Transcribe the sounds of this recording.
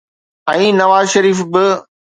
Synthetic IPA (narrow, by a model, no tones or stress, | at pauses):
ɛ̃ːnɐʋaːzʃɐɾiːfbɪ